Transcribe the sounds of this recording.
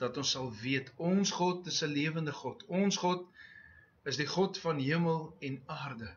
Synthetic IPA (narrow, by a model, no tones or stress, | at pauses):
d̥ɐtɔnsɐlˠviətʰɔnsχɔtəsəliəvəndəχɔtɔnsχɔt | əsdiχɔtfɐnɦiəməlˠɛnaːrdə